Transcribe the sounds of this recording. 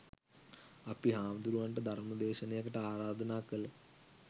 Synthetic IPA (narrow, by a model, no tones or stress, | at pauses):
ɐpiɦaːmd̪uɾuʋɐɳʈɐd̪ʱɐrmɐd̪eːɕɐnejɐkːɐʈaːɾaːd̪ʱɐnaːkːɐlɐ